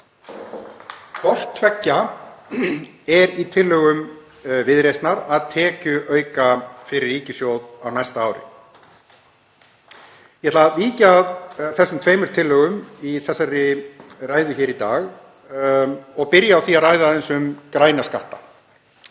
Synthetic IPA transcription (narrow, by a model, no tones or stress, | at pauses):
fɔr̥t̪ʰvɛcːa | ɛɾit̪ʰɪlːœɣʏm | vɪðɾejst̪naɾaðt̪ʰɛːcʏʔœːɥkafɪɾɪɾiːcɪsjowðawnajst̪aaːwɾɪ̰ | jɛɛt̪laviːcaðθɛsːʏmt̪ʰveːjmʏɾ̥t̪ʰɪlːœːɣʏmiθɛsːaɾɪraːjðʏçɛːɾit̪aːɣ | ɔɣpɪɾjaːwθiaraːjðaðɛnsʏmkɾaːjnaskaht̪a̰